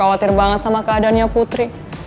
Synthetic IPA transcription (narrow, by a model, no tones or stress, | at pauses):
awat̪ɪrbaŋət̪̚samakəadanɲaput̪ɾi